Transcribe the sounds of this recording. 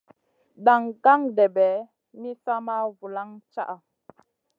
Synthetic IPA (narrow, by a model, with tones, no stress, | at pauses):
da˨ŋɡa˦ŋdɛ˨bɛ˨˦ | mi˦sa˦ma˦vu˨la˦ŋt͡ʃa̰˦ʔa˨